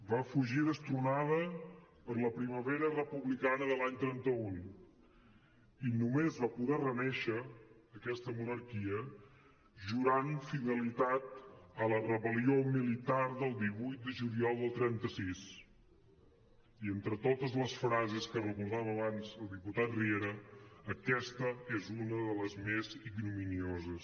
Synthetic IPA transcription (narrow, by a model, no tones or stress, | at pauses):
bafuʒiðəst̪ɾunaðəpəɾləpɾiməβɛɾərəpuβlikanəðəlaɲt̪ɾɛnt̪əun | inumezβapuðɛrənɛʃəː | kɛst̪əmunəɾkiə | ʒuɾanfiðəlit̪at̪̚ələrəβəliomilit̪aɾðəlˠd̪iβujt̪̚d̪əʒuliɔlˠd̪əlˠt̪ɾɛnt̪əsis | ient̪ɾət̪ot̪əzləsfɾazeskərəkulzaβəβanzəlˠd̪iput̪at̪rieɾəːkɛst̪əezunəðələzmeziɡnuminiozəs